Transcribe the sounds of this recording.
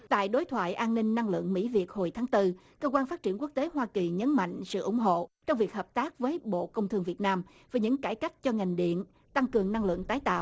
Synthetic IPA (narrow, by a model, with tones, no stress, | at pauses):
t̪a̰ː˧˨jɗo˨˦jt̪ʰwa̰ː˧˨jʔaː˧nːï˧ŋ̟na˧ŋlɨ̰˧˨əŋmḭ˧˥vi˨˩ət̚ho˨˩jt̪ʰaː˨˦ŋt̪ɨ˧ | kəː˧kwaː˧nfaː˦˥t̚t͡ɕi˧˩ənku˦˥t̪e˨˦ɦwaː˧ki˨˩ɲə˨˦nma̰˧˨jŋ̟sɨ̰˧˨ʔʊ̰˧˩ŋ͡mɦo̰˧˨t͡ɕɔ˧wŋ͡mvi˨˩ək̚ɦəː˨˩p̚t̪aː˦˥k̚vəː˨˦jɓo̰˧˨kə˧wŋ͡mt̪ʰɨ˧əŋvi˨˩ət̚naː˧m | vaː˨˩jɲɨ̰˧˥ŋkaː˧˩jka˦˥jk̟̚t͡ɕɔ˧ŋa˨˩jŋ̟ɗḭ˧˨ən | t̪a˧ŋkɨ˨˩əŋna˧ŋlɨ̰˧˨əŋt̪aː˨˦jt̪a̰ː˧˨w